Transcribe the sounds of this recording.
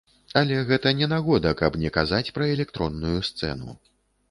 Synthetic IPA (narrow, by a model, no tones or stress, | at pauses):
alʲɛɣɛt̪ɐnʲɛnaɣɔd̪ɐkɐbnʲɛkazat͡sʲpɾɐɛlʲɛkt̪ɾɔnːujust̪sɛ̰n̪ṵ